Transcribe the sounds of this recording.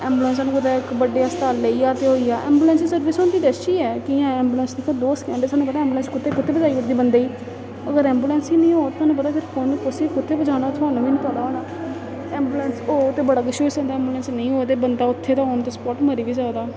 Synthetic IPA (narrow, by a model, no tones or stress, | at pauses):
ɛːmbulɛːns̬aːnũkʊt̪aːɪkbəɖeːaːst̪aːlːeiːaːt̪eːɦoːiːaːʔɛːmbuːlɛ̃ːnssəɾʋɪsoːnd̪iːd̪ɛsiːɛːkiãːɛ̃ːmbuːlɛ̃nsd̪iːkʰad̪oːsə̥kɛ̃ːɳɖeːsaːnũːpət̪aɛ̃ːmbulɛːnskʊt̪ʰːeːkʊt̪ʰːeːbəd͡ʒaːiːʊʈd̪iːbənd̪eːiː | əɡəɾɛ̃ːmbuːlɛːnsiːnəĩːɦoːt̪ːsaːnũːpət̪aːpʰɪɾkʊnkʊsiːkʊt̪ʰːeːbəd͡ʒaːnaːt̪ʰʊaːnũːʋiːnĩpəd̪aːoːnaː | ɛːmbuːlɛːnsoːt̪eːbəɽaːkəʃoːisə̃nd̪aːɛ̃ːmbulɛːnsnəĩːɦoːet̪̬eːbənd̪aːʊt̪ʰːeːt̪ãːɦoːnt̪eːspɔːʈməɾiːʋiːzaːd̪aː